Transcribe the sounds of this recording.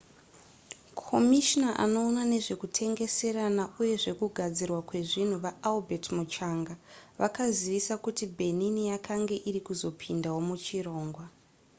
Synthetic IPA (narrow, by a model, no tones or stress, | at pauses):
kʰo̞miʃnaʔa̰no̞ːnane̞ʐe̞kutʰe̞ŋɡe̞se̞ɾanauje̞ʐe̞kuɡʱad͡zirwakwe̞ʐin̤uʋaalbʱe̞tmut͡ʃaŋɡaʋʔakaziʋisakutibʱe̞ninijakʰaŋɡe̞ʔiɾikuzo̞pʰindawo̞mut͡ʃiro̞ːŋɡwa